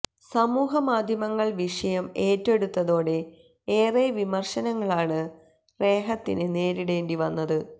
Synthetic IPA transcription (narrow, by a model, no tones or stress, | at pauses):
sɐmuːɦɐmaːd̪ʱjɐmɐŋːɐɭʋiʂɐjɐme̞ːtːe̞ɽut̪ːɐðo̞ːɽe̞ | eːreːʋimɐrʂɐnɐŋːɐɭaːɳɨ | re̞ːɦɐt̪ːḭnɨne̞ːɾiɽeːndiʋɐnːɐðɨ